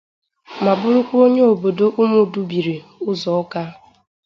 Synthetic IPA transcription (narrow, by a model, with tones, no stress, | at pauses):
ma˨bʊ˦ɾʊ˦kʷu˦o˦ɲe˦o˨bo˨do˦ʔu˦mu˦˨du˦bi˨ɾi˨ʊ˦zɔ˨ɔ˦ka˦